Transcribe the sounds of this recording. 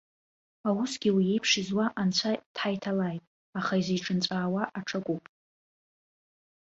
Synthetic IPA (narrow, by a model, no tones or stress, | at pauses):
awʊsɡ̥ʲiwijejpʰʂɪzwaʔant͡sʷʰatʰħajtʰalajtʼ | aχaizeʈ͡ʂʰʼɨnt͡sʷʼaːwaʔaʈ͡ʂʰakʷʼupʼ